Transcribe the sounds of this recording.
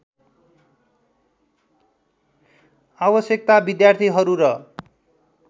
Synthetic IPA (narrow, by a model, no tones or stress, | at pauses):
abʌsjek̚t̪abid̪jart̪ʰiɦʌɾuɾʌ